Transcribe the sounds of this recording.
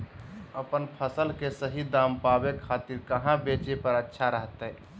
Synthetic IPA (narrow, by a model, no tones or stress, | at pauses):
əpənpʰəsəlkesəɦid̪ampabekʰaːt̪iɾkəɦãbet͡ʃepəɾətːʃʰaɾəɦt̪ɦɛ